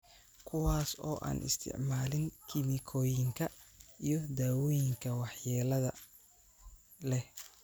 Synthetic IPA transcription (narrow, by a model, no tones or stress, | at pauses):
kʰʊwaːsɔ̰ːʔa̰ːnʔɪ̰st̪ʰɪ̰ʕmaːlɪŋkʰɪmɪkʰɔːjɪŋkʰɐʔijɞd̪aːwɔːjɪŋkʰɐwɑħjɛːlɐðɐ | lɛh